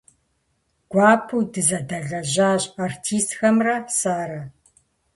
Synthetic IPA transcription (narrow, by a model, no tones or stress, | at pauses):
ɡ̥ʷaːpʰuːdɨzɐdɐɮɐʑaːɕʼartʰiːstxɐmrɐsaːɾɐ